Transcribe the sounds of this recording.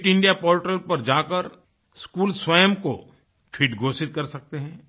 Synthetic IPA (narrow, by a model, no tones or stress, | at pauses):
ʈɪ̃ɳɖijapoːɾʈɾəlpɐɾd͡ʒaːkəɾ | skuːlswəjəmko | ʈʰiːʈɡʱoːsɪt̪̚kɐɾsɐk̚t̪eɦɛ̃ː